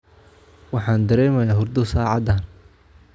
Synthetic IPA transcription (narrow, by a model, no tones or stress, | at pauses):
wɑħɑːnd̪ɐɾɛːmɐjaːɦʊrd̪ʊsaːʕɑd̪an